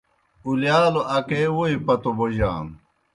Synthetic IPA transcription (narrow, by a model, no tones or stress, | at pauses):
uljaːloʔɐkeːwoipɐt̪oboʑa̰ːm